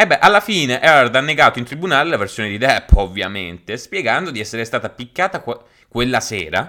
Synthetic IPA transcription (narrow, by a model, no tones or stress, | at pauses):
ɛbːɛʔalːafiːneʔɛɾd̪anːeɡaːt̪oint̪ɾibunaːlelaversjoːned̪id̪ɛpːovːja̰ment̪espjɛɡand̪od̪iɛsːeɾest̪aːt̪apikːaːt̪a | kwelːasɛːɾa